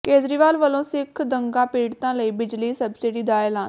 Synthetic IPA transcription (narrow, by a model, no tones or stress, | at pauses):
keːd͡ʒɾiːʋaːlʋəlõːsɪkʰd̪əŋɡãːpiːɽt̪ãːləiːbɪd͡ʒliːsəbsɪɖiːd̪aːɛːlaːn